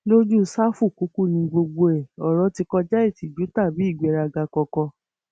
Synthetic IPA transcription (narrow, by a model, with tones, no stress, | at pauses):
lo˦d͡ʒu˦sa˦fu˦˨ku˨˦ku˦˨nĩ˧ɡ͡bo˧ɡ͡bo˧ɛ˨ɔ˨ɾɔ˨˧ti˧kɔ˧d͡ʒa˦i˦˨ti˨d͡ʒu˨˦ta˦˨bi˨˦˨ɡ͡be˨˧ɾa˧ɡa˧kɔ˧kɔ˧